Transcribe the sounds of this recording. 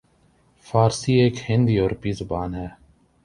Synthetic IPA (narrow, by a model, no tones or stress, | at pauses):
faːɾsiːeːkhɪ̃nd̪iːoːɾpiːzʊbaːnɦɛː